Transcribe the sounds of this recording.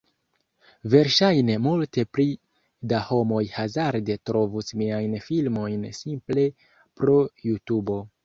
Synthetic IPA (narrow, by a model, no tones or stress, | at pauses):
ve̞ɾʃajne̞multe̞pli | daho̞mo̞jhazaɾde̞tɾo̞vusmiajnfilmo̞jnsimple̞ | pɾo̞jutubo̞